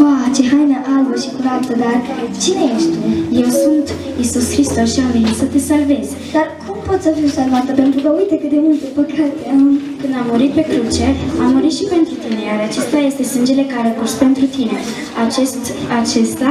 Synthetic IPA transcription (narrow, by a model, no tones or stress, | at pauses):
at͡ʃeɦajnəʔalbəʃikuɾat̪əd̪art͡ʃine̞je̞ʃt̪eje̞wsunt̪ | isuskɾist̪osʃiammint̪sət̪e̞salvez̥ | d̪arkʰumpo̞t̪sʲsəvisanmat̪əpe̞nt̪ɾukəujt̪ekɨt̪d̪e̞mult̪epəkat̪ekɨnd̪amːuɾit̪̚pe̞kɾut͡ʃe̞amːuɾit̪ʃipe̞nt̪ɾut̪ine̞jaɾat͡ʃest̪aje̞st̪e̞sɨnd͡ʒe̞le̞kaɾekurspe̞nt̪ɾut̪ine̞ | at͡ʃest̪ | at͡ʃe̞st̪a